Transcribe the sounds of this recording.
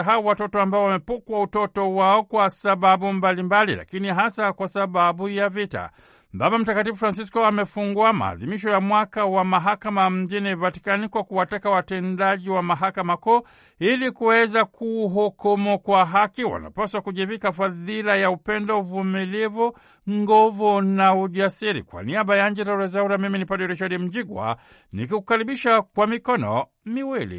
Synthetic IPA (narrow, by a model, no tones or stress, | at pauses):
ɦauwatɔtɔambaɔwamɛpukwautɔtɔwaɔkwasaɓaɓumbalimbalḭla̰kiniɦasakwasaɓaɓujavita̰ | babam̩takatifufɾans̬iskɔamɛfuŋɡuama̰ːðimiʃ̬ɔjamwakawamaɦakamam̩ʄinivati̥kanikwakuwatakawatɛndaʄiwamaɦakamakɔ | ilikuwɛzakʰuːɦɔkɔmɔkwaɦakiwa̰na̰paswakuʄivikafaðilajaupɛndɔuvumilivu | ŋɡɔvunauʄasiɾḭkwa̰niaɓajaɲ̩d͡ʒɛɾauɾazauɾamiminipadɛɾit͡ʃaɗim̩ʄiɡwa̰ | nikikukaɾiɓiʃakwamikɔnɔ̰ | miwilḭ